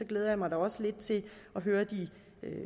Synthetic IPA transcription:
sɒ̽ɡ̥leːð̞ˠɐjɑmɑ̈ɪd̥ɑɒ̽səle̝d̥̚t͡sʰe̝ɒ̽ɦøːɐd̥i

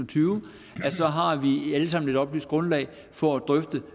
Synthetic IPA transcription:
t͡sʰyːʊ | æsɒ̽ɦɑ̈ʋiæləsɑ̈m̰n̩e̝ɾ̥ɒ̽b̥lysd̥̚ɡ̥ʁɔ̽nlɛ̰ɪ | fɒ̽æd̥ʁœfd̥ə

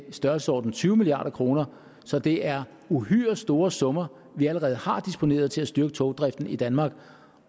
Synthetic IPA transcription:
sd̥ɶɐlsəɒ̰ːd̥n̩t͡sʰyːʊmiliɑ̰̈ːdɾ̥ɐkʰʁo̝ːnɐ | sɒ̽d̥e̝ʔæɐ | uhy̰ːɐsd̥o̝ːɐsɔ̽mɐ | ʋiæləʁɛːð̞̩ˠhɑ̈d̥isb̥o̝ne̝̰ːɐð̞ˠt͡sʰe̝læsd̥yɐɡ̥ət͡sʰɔʊd̥ʁɛfd̥n̩id̥ænmɑ̈ːɡ̥

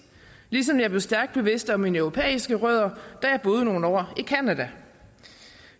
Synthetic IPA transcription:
lis̬ɒ̽mjɑ̈b̥le̝ʊsd̥æɐɡ̥d̥̚b̥e̝ʋe̝sd̥ɒ̽minəœʊʁo̝pʰḛːisɡ̥əʁœð̞̰ˠɐd̥æjɑ̈b̥o̝ːð̞ˠəno̝ːn̩ɒ̰ːikʰænæd̥æ

